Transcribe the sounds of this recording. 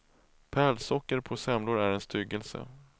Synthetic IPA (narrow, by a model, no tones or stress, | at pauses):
pʰæːɭsɔkːəɾpʰɔsɛmlʊɾæɾɛnst̪ʰʏɡəlsə̰